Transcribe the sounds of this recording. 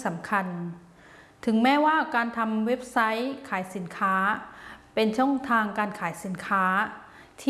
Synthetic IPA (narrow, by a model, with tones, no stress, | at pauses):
sa˩˦mkʰa˧n | t̪ʰɯ˩˦ŋmɛː˦˥waː˥˩kaː˧nt̪ʰa˧mwe˦˥p̚sa˦˥jkʰaː˨˩˦jsi˩˦nkʰaː˦˥pe˧nt͡ɕʰɔ˥˩ŋt̪ʰaː˧ŋkaː˧nkʰaː˩˦jsi˨˩˦nkʰaː˦˥ | t̪ʰː